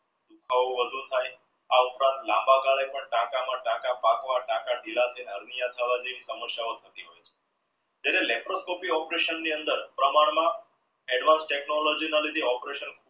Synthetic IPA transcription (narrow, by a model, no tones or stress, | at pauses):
d̪ukʰaʋoʋəd̪ʱũt̪ʰaj | aupɾãnt̪lãmbaɡaɭepəɳʈakamãʈakapakʋaʈakaɖilat̪ʰidʱəɾnijãt̪ʰəʋad͡ʒeʋisəməsjaot̪ʰət̪iɦojt͡ʃʰe̥ | t̪aɾelɛpɾoskɔpiɔpɾeʃənːiənd̪əɾpɾəmaɽ̃mã | ɛɖʋãnsʈeknolɔd͡ʒinalid̪ʱiɔpɾeʃənkʰ